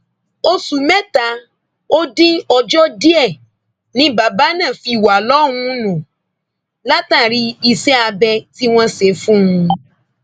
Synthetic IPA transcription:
o˧su˨mɛ˦ta˨˦ | o˦dĩ˦ɔ˧d͡ʒɔ˦di˦ɛ˦˨ | nĩ˨˦ba˨ba˦nã˦˨fi˧˨wa˨lɔ̃˦˨˧ũ˧˦nũ˨ | la˦ta˦˨ɾi˧˦i˧sɛ˦a˧bɛ˧ti˦w̃ɔ̃˦se˨˦fũ˦ũ˧

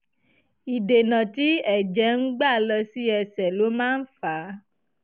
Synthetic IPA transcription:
i˨de˨nã˨ti˨˦ɛ˨d͡ʒɛ˨˦ŋ̩˦ɡ͡ba˦˨lɔ˧si˦ɛ˧sɛ˨lo˨˦mãː˦n̩˦fa˨˦

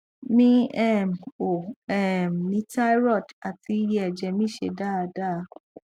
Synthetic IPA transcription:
mĩ˦ɛ˦˨m˨o˨ɛ˦˨m˨nĩ˨˦ta˦i˦ɾɔ˦˨da˨ti˧˦jɛ˦ɛ˨d͡ʒɛ˨mĩ˦ʃḛ˧da˦˨˧da˦˨˧

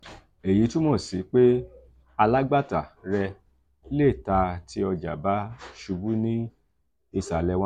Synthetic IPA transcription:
e˨ji˨˦tũ˦mɔ̃˦˨si˨˦k͡pe˦ | a˧la˦ɡ͡ba˦˨ta˨ɾɛ˧ | le˦˨ta˧ti˦ɔ˧d͡ʒa̰˨ba˦ʃu˧bu˦nĩ˦ | e˧˨sa˨lɛ˧wɔ̃˦

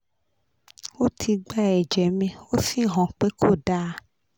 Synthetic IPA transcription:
wo˦tʰi˧ɡ͡ba˦˨ɛ˨d͡ʒɛ˨mẽ˦wo˦fĩ˦ɦɔ̃˨k͡pe˦ko˦˨ɖa˦˨

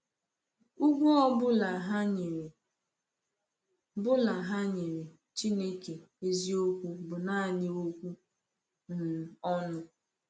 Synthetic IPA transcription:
u˦ɡʷu˦ɔ˦bʊ˦la˨ɦa˦ɲ˨ɾ | bʊ˦la˨ɦa˦ɲe˨ɾe˨ | t͡ʃi˦ne˦ke˨ | e˦zi˦o˦kʷu˦bʊ˨na˦a˨ɲɪ˦o˦kʷu˦ | n̩˨ɔ˦nʊ˦

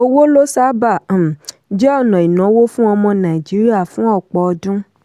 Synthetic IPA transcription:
o˦wo˦lo˦sa˦ba˦˨ | d͡ʒɛ˦ɔ˦˨nɔ̃˨i˨nɔ̃˨˦wo˦fũ˦ɔ˧mɔ̃˧nã˨i˨d͡ʒi˨˦ɾi˦a˦˨fũ˦ɔ˦˨k͡pɔ˨˧dũ˦

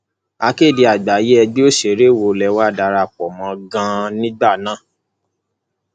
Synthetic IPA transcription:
a˧ke˦˨di˧a˨ɡ͡ba˨je˦ɛ˧ɡ͡be˦o˦ʃe˨ɾe˦˨wo˧˨lɛ˧˦wa˦˨da˧ɾa˧˨k͡pɔ˨mɔ̃˧ɡã˧nĩ˦ɡ͡ba˦˨nãː˦˨

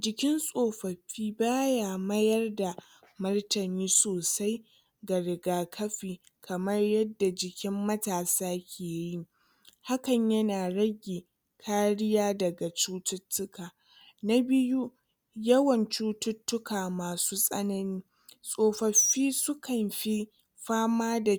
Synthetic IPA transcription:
d͡ʒɪ˨kʲɪ˦nsʼoː˨ɸɐ˨ɸːiː˦baː˦jaː˨mɐ˦jɐ˦rda˨ | mɐ˦rtɐ˨niː˦soː˨sa˦j | ɡɐ˨ɽɪ˨ɡaː˦kʰɐ˦ɸiː˨ | kʰɐ˨mɐ˦rjɐ˦dːa˨d͡ʒɪ˨kʲɪ˦mːɐ˦taː˨saː˦kʲʰeː˨ji˦ | ha˦kɐ˨ɲjɐ˦naː˨ɽɐ˦ɡʲeː˨ | kʰaː˦ɽɪ˦jaː˦dɐ˨ɡa˨t͡ʃuː˦tʊ˦tːʊ˦kaː˨ | na˦bɪ˦ju˦ | jɐ˦wɐ˨nt͡ʃuː˦tʊ˦tːʊ˦kaː˨maː˨suː˦sʼɐ˦nɐ˦niː˦ | sʼoː˦ɸɐ˨ɸiː˦sʊ˦kɐ˨mɸi˦ | ɸaː˦maː˦da˨

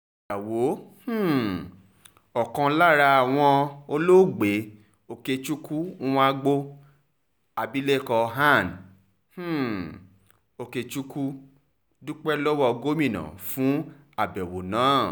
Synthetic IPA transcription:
d͡ʒa˨wo˨˦h̩˦ | ɔ˨kã˧la˦˨ɾa˧a˨w̃ɔ̃˧o˧lo˦˨ɡ͡be˨˦ | o˨ke˧t͡ʃu˦kũ˦˧a˧ɡ͡bo˧ | a˨bi˦le˦˨kɔ˧ɦa˦˨n | h̩˦˨ | o˧ke˧t͡ʃu˦ku˦ | du˦k͡pɛ˦lɔ˦wɔ˧ɡo˦mĩ˦˨nã̰˨fũ˨˦ | a˨bɛ˨wo˨nãː˨˦˨

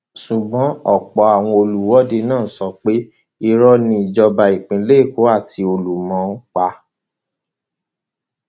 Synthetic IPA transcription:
su˨bɔ̃˨˦ɔ˦˨k͡pɔ˨˧a˨w̃ɔ̃˧o˧lu˨˦wɔ˦de˧nãː˦˨sɔ˧k͡pe˦ | i˦ɾɔ˦nĩ˧i˨d͡ʒɔ˧ba˨i˨k͡pĩ˨˦le˦i˦˨ko˨˦a˦˨ti˧o˧lu˨mɔ̃˨˦n̩˦k͡pa˧

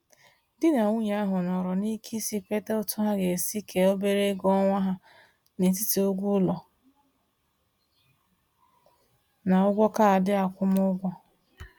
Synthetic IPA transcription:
dɪ˦na˨ŋʷu˦ɲa˦a˦ɦʊ˨nɔ˨ɾɔ˨ni˦kʰi˦si˦pe˦te˦o˦tʊ˦ɦa˦ɡe˨si˦kʰe˨o˦be˦ɾe˦ɡɔ˦ŋʷa˦ɦa˦ | ne˨t̬i˦ti˨ʊ˦ɡʷʊ˦lɔ˨ | na˨ʊ˦ɡʷɔ˦ka˦a˨dɪ˦a˨kʷʊ˦mʊ˦ɡʷɔ˦

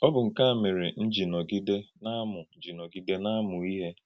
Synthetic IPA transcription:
ɔ˦bʊ˨ŋ̩˨ka˦a˨mɪ˨ɾe˨n̩˦d͡ʒi˨nɔ˨ɡi˦de˦na˦mʊ˨n̩˦d͡ʒi˨nɔ˨ɡi˦de˦na˦mʊ˨i˦ɦe˦

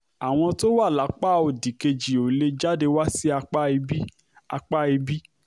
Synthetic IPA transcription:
a˨w̃ɔ̃˧to˦wa˦˨la˨˦k͡pa˦˨o˨di˨ke˧d͡ʒi˨o˨le˧d͡ʒa˦de˧wa˦si˦a˧k͡pa˦i˧bi˦ | a˧k͡pa˦i˧bi˦

